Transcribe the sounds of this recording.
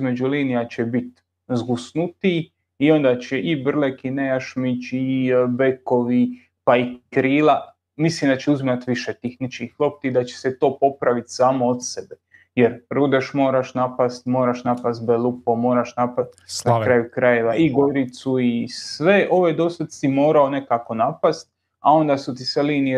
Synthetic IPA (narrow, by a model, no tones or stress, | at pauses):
izme̞d͡ʒuliːnijat͡ɕebit̪ | zɡusnut̪i | io̞nd̪at͡ɕeʔibr̩lekinejaʃmit͡ʃibeko̞ʋi | paikɾiːla | mislimd̪at͡ɕeuzimat̪ʋiʃet̪ixnit͡ʃkixlˠo̞p̚t̪id̪at͡ɕe̥set̪o̞ːpo̞pɾaʋit̪saːmoot̪sebe | jeɾɾud̪e̞ʃmo̞ːɾaʃnapast̪mo̞ːɾaʃnapast̪̚belupo̞mo̞ːɾaʃnapast̪naakɾaːjukɾajeʋaʔiɡoɾit̪suisʋe̞ʔo̞ʋed̪o̞st̪at̪simo̞ːɾao̞ne̞kako̞napast̪̚ | ao̞nd̪asut̪isʋeliːnie